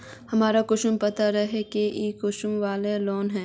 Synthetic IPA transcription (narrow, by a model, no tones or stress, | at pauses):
hɐmaːɾakʊʃʊmpɐt̪aɾɐɦekeiːkʊʃʊmʋaːlelɔːnɦɛ̃ː